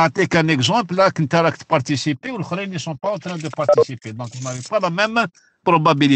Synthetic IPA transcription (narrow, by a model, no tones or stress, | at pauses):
ʕt̪ekɛ̃nɛkzɑ̃plːakənt̪aɾˤɑkt̪paɾt̪isipewlxɾinisɔ̃paɑ̃t̪ɾɛ̃d̪əpaɾˤt̪isiped̪ɔ̃knavepalamɛm | pɾobabili